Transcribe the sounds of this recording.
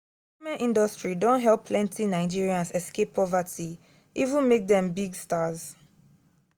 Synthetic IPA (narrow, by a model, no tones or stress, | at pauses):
imɛ̃nʔĩndɔstɹidõntɦɛlˠpʰlɛ̃ntʰinaɪd͡ʒiɹiãnsɛskepʰːɔvatʰi | ʔivũnmek̚dɛ̃mbiɡstaz